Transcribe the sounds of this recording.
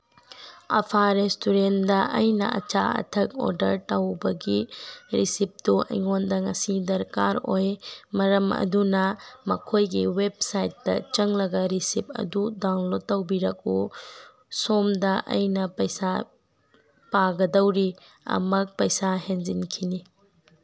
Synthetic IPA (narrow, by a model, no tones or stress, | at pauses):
ɐpʰaɾestuɾendɐɐjnɐ̰ɐ̰t͡ʃaɐ̰tʰɐk̚ɔ̰ɾdɐɾtawbɐɡiɾisip̚tuʔɐ̰jŋondɐŋɐsidɐɾkaɾojmɐɾɐmɐ̰dunɐmɐkʰojɡiweb̚sajtːɐt͡ʃɐŋlɐɡɐɾisip̚ʰɐ̰dudawnlod̚ːɐwbiɾɐk̚u | somdɐʔɐ̰jnɐpɐjsa | paɡɐdɐwɾi | ɐ̰mɐk̚pɐjsahenzinkʰini